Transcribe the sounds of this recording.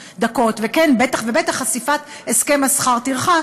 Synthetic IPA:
d̪ako̞t̪vekenbet̪aχvebet̪aχasifat̪ | eskemasχaʁt̪iʁχa

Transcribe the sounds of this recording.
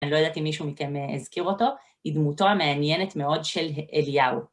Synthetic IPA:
nilojod̪at̪imːiʃumikemezkiʁo̞to̞ | hid̪muto̞ameanjene̞t̪meo̞dʃe̞leljao

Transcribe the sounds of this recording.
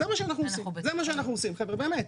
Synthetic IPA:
zemaʃeanaχnusizemaʃ̬eanaχnuosimχevebe̞ːmet̪

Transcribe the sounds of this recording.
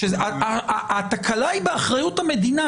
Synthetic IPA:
ʃeaaat̪akʰalaibeaχʁajut̪hame̞d̪ina

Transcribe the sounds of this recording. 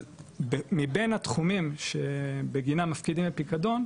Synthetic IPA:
bemibenat̪χumimʃebeɡinamafkidimbepikad̪o̞n

